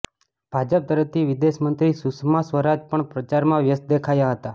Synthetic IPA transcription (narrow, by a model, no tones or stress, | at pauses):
b̥ʱad͡ʒəp̚t̪əɾəft̪ʰiʋid̪eʃmənt̪ɾisuksmasʋəɾad͡ʒpəɳpɾət͡ʃaɾmãʋjəst̪̚d̪ekʰajaɦət̪a